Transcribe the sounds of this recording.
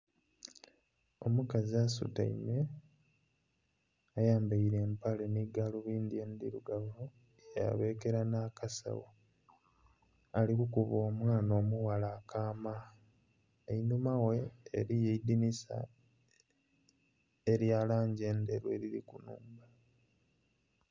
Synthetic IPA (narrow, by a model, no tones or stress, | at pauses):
o̞mukaziasṵta̰ḭme | ajaːmbaiɾe̞ːmpaleniɡaluβiːnd̪iend̪iɾuɡaβo | ja̰βe̞ːke̞ɾanakasa̰wo | alikukuβo̞ːmwaːno̞ːmuwalaːkʰaːma | einumaweːɾijeidinisa̰ | eɾjaːlaːɲɟe̞ːndeɾwḛːɾiɾḭkunṵːmba